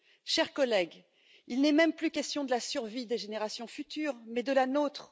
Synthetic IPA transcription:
ʃɛʁkɔlɛɡ | ilnɛmɛmplykʲɛst̪jɔ̃d̪əlasyʁvid̪eʒeneʁasjɔ̃fyt̪yːʁmɛd̪əlanot̪χ

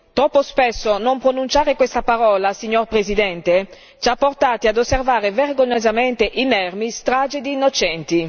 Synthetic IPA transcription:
t̪ɾɔpːospesːonompɾonunt͡ʃaːɾekwest̪apaɾɔːlasiɲːorpɾezid̪ɛnt̪e | t͡ʃapːort̪aːt̪iad̪osːervaːɾeverɡoɲːozament̪eʔinɛrmist̪ɾaːd͡ʒed̪iːnːot͡ʃɛnt̪i

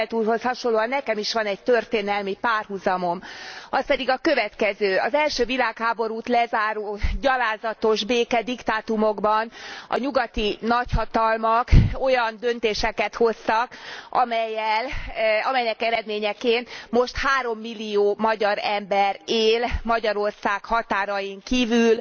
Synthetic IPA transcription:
t̪uːrho̞shɒʃonloːɒnːɛkɛmiʃʋɒnɛɟ̚t̪ørt̪eːnɛlmipaːrhuzɒmo̞mɒspɛd̪iɡɒkø̞vɛt̪kɛzøːɒzɛlʃøːvilaːkhaːbo̞ɾuːt̪lɛzaːɾoːɟɒlaːzɒt̪o̞ʒbeːkɛd̪ikt̪aːt̪umo̞ɡbɒnɒ̰ɲuɡɒt̪inɒchɒt̪ɒlmɒko̞jɒnd̪ø̞nt̪eːʃɛkɛt̪ho̞st̪ɒkʔɒmɛjːɛlɒmɛjnɛkɛɾɛd̪meːɲɛkeːnmo̞ʃt̪haːɾo̞mːilːijoːmɒɟɒɾɛmbɛɾeːlmɒɟɒɾo̞rsaːkhɒt̪aːɾɒjiŋkiːvyl

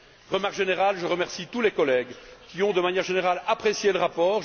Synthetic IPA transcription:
ʁəmaʁkʒeneʁalʒəʁəmɛʁsit̪ulɛkɔlɛɡkʲiɔ̃d̪əmanjɛʁʒeneʁalapχesjeləʁapɔːʁ

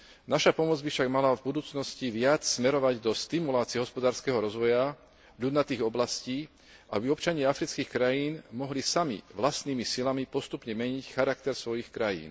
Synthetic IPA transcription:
naʃapɔmɔd͡zbifʃaɡmalavbud̪uːt͡snɔsciʋɪat͡ssmɛɾɔʋaɟd̪ɔst̪imulaːt͡siɛɦɔspɔd̪aːɾskɛːɦɔɾɔzʋɔja | ʎud̪nat̪iːɣɔblasciː | ʔa̰biɔpt͡ʃaɲɪaafɾit͡skiːxkɾajiːnmɔɦlisamḭʋlast̪niːmisilamipɔst̪upɲɛmɛɲicxaɾak̚t̪ɛɾsʋɔjixkɾajḭːn

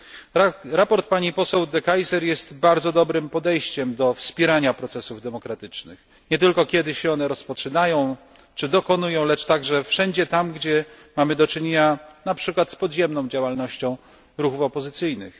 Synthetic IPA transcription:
ɾapɔɾt̪̚paɲipɔsɛwd̪ɛkajsɛɾjɛst̪baɾd̪zɔd̪ɔbɾɘmpɔd̪ɛjɕt͡ɕɛmd̪ɔfspʲjɛɾaɲapɾɔt̪sɛsuvd̪ɛmɔkɾat̪ɘt͡ʂnɘ̰x | ɲɛt̪̬ɘlkɔkʲjɛd̪ɘɕɛɔnɛɾɔspɔt͡ʂɘnajɔ̃w̃ | t͡ʂɘd̪ɔkɔnujɔ̃w̃lɛt͡ʂt̪aɡʐɛfʂɛɲd͡ʑɛt̪amɡd͡ʑɛ | mamɘd̪ɔt͡ʂɘɲeɲanapʂɘkwat̪spɔd̪ʑɛmnɔ̃w̃d͡ʑawalnɔɕt͡ɕɔ̃w̃ | ɾuxufɔpɔzɘt̪sɘjnɘ̰x

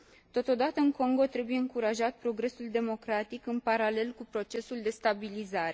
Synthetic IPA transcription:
t̪o̞t̪o̞d̪at̪əɨŋko̞ŋɡo̞t̪ɾe̞buje̞ɨŋkuɾaʒat̪̚pɾo̞ɡɾe̞suld̪e̞mo̞kɾat̪ikɨnpaɾale̞lkupɾo̞t͡ʃe̞suld̪e̞st̪abilizaɾe̞

